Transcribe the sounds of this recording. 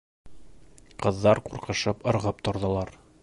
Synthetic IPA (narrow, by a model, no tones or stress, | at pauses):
qɤ̆ðːɑɾquɾqɤ̆ʃɤpŏɾʁɤp̚t̪ŏɾðɤ̆lˠɑɾ